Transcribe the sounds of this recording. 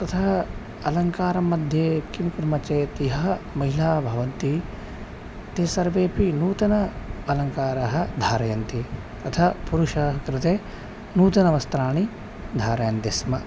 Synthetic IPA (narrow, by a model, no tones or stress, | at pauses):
t̪ɐt̪ʰɐɦɐ | ɐlɐŋkaːɾɐmːɐd̪ʱjeːkimkuɾmɐt͡ʃeːt̪iɦɐmɐɦilaːbʱɐʋɐnt̪i | t̪eːsɐɾʋeːpinuːt̪ɐnɐɐlɐŋkaːɾɐɦɐ̆d̪ʱaːɾɐjɐnt̪i | t̪ɐt̪ʰapuɾuʃɐɦɐkɾɪt̪eː | nuːt̪ɐnɐʋɐst̪ɾaːɳi | d̪ʱaːɾɐjɐnt̪ismɐ